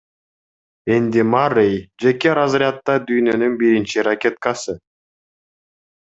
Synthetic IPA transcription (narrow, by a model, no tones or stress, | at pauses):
end̪ʲimarejd͡ʒe̞keɾazɾʲɪat̪ːɑd̪yjnønynbiɾint͡ʃiɾakʲe̞t̪̚kɑsɯ